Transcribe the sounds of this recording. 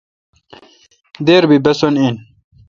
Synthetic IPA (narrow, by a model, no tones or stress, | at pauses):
d̪eːɾbibɐsonin